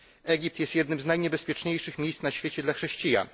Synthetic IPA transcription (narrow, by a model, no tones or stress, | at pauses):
ɛɡʲip̚t̪jɛst̪jɛd̪nɘmznajɲɛbɛspʲjɛt͡ʂɲejʂɘxmʲejst̪naɕfʲjet͡ɕɛd̪laxʂɛɕt͡ɕija̰n